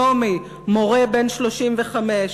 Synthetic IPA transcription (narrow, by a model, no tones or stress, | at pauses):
omi | mo̞ʁebenʃloʃimveχameʃ